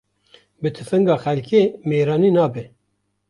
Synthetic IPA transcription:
bɨt̪ʰɨfɨŋɡɑːxɛlkʰeːmeːɾɑːniːnɑːbɛ

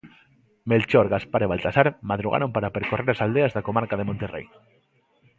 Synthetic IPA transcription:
melt͡ʃoɾɣaspaɾeβalt̪asaɾmaðɾuɣa̰ɾompaɾapeɾkoreɾasald̪eazðakomaɾkað̞emõnt̪erḛj

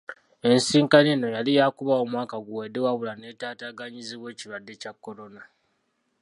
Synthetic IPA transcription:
e̞nsiːŋkaneːno̞jalijaːkuβaomwaːkaɡuwedewaβulaneːtaːtaːɡaɲiziβwe̞ːciβwadːe̞cakːo̞ɾo̞na

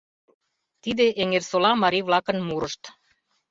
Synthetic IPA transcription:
t̪id̪eʔeŋersolɑmɑɾiβlɑkə̆nmuɾəʃt̪

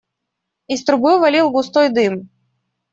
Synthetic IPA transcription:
ist̪ɾʊbɨvɐlʲilˠɡʊst̪ojd̪ɨm

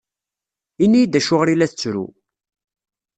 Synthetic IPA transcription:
inːijd̪æʃʊʁɾilæθət͡sːɾṵ

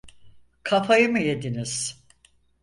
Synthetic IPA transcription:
kʰafʰajɯmɯje̞d̪iniz̥

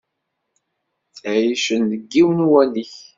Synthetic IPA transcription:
θjiʃənːəɡːiwənuwæliç

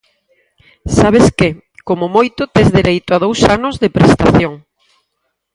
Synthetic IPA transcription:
saβ̞eskɪ | komʊmojt̪ʊt̪ezðeɾejt̪ʊaðowsanʊzðepɾest̪aθjoŋ

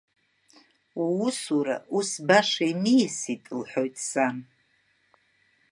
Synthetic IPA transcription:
uwusuɾa̰ʔusbaʂaimijsitʼlħʷojtʼsan

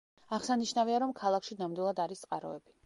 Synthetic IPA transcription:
aʁsaniʃnaviaɾɔmkʰalˠakʃinamd̪wilˠad̪aɾist̪sqʼaɾɔ̰ɛb̥i̥

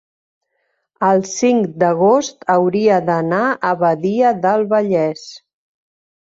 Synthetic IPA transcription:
əlˠsiŋkd̪əɣost̪əwɾiəðənaʔəβəðiəðəlˠβəʎɛs

